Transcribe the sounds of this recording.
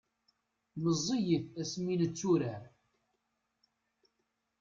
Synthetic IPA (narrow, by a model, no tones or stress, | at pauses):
məzˤːijəθæsminət͡sːuɾæɾ